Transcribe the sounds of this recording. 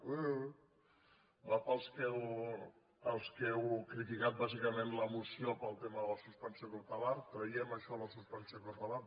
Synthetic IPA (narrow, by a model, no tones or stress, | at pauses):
bafəlˠskɛw | əlˠskɛwkɾit̪ikat̪̚bazikəmenləmusiopəlˠt̪eməðələsust̪ansiəkut̪əlaɾt̪ɾəjɛməʃɔləsust̪ansiəkuɾt̪əlaɾ